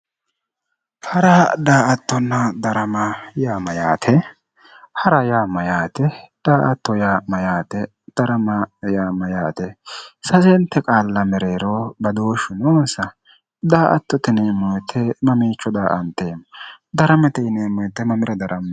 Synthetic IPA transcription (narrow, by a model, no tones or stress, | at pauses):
hɐɾɐd̪aːʔɐt̪ːɔnːɐd̪ɐɾɐmɐjaːmɐjaːt̪ʰɛ | hɐɾɐjaːmɐjaːt̪ɛd̪̥aːʔɐt̪ːɔjamɐjaːt̪ɛ | d̪̥ɐɾɐmɐjaːmɐjaːt̪ɛsɐzɛnt̪ːɛkʼaːlːɐmɛɾeːɾobɐd̪oːʃʊnoːnsɐ | d̪aːʔɐt̪ːɔt̪ɛneːmːɔjt̪ʰːɛmɐmiːt͡ʃːɔd̪aːʔɐnt̪ːeːm | d̪ɐɾɐmɐt̪ɛɪneːmːɔjt̪ːɛmɐmɪɾɐd̪ɐɾʔɐmː